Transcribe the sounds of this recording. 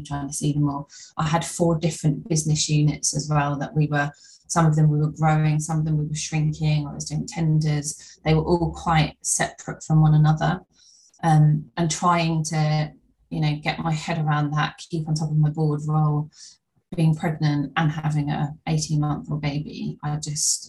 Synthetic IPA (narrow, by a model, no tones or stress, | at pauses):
tʰɹaɪɪ̃ŋtʰə̥siːðə̃mːɔːʔaɪəd̥fɔːdɪfɹə̃nb̥ɪznɪsjʉːnɪ̰tsəzwɛlˠðəʔwiwə | sʌ̃mʌvðə̃mwiwəɡɹəʊɪ̃ŋsʌ̃məvðə̃mwiwəʃɹɪ̃ŋkʰɪ̃ŋəəsdʉɪ̃ŋtʰɛ̃ndəz̥ðeɪwəʔɔːlˠkʰw̥aɪtsɛ̰pʰɹətfɹə̃mwʌ̃nənʌðə | ʔʌ̃mʔə̃ntʰɹ̥aɪɪ̃ŋtʰə | jənəʊɡɛʔmaɪhɛɾəɹãʊ̃nðə̰ʔ̚kʰiˑpn̩tʰɒpəvmaɪbɔːdɹoʊlˠ | b̥iɪ̃ŋpʰɹ̥ɛɡ̚nə̃ntə̃nɦavɪ̃ŋə̰eɪtʰĩnmʌ̃nθəbeɪbḭa̰ɪd͡ʒʌst